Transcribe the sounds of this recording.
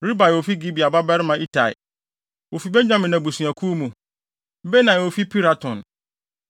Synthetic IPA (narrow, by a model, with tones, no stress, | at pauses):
ɾi˦ba˨jɛ˨wo˨fi˦ɡi˦bi˨a˨ba˦bɛ˦ɾɪ˦mã˨ʔi˦tʰa˨ḭ˨ | wo˨fi˨bɛ˦ɲᶣã˦mɪ̃˨nã˨bu˨sũ˨æ˨kʰu˦mũ˨˦ | be˦nã˨jɛ˨wo˨fi˦pʰi˦ɾa˨tʰɔ̃˨n